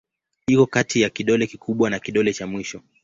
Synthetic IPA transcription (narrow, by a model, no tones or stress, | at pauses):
hikɔkatijakiɗɔlɛkikʰuɓwanakiɗɔlɛt͡ʃamwiʃɔ